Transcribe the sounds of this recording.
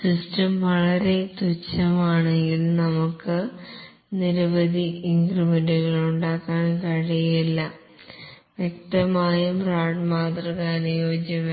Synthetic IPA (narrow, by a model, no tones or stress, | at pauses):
sistɐmʋɐɭɐɾe̞t̪ut͡ɕːɐmaːɳeŋɡilnɐmukːɨ | niɾɐbɐd̪iiŋɡrimenɖuɣɐɭuɳɖaːkːaːɳkɐɻɐjiilːɐ | ʋjek̚t̪ɐmaːjumraːɖmaːt̪rɐkaːnɐjoːd͡ʑjɐme